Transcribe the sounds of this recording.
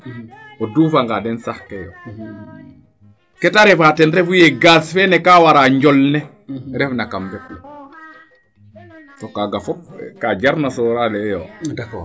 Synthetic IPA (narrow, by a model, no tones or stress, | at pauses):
oduːfaŋɡadɛnsahkejo̰ | kɛtaɾefatɛnɾɛfujeɡasfenɛkawaɾaːɲɟɔlnɛ | ɾɛfnakambɛflɛ | tokaɡafɔk̚kaɟaɾnasɔɾalɛjo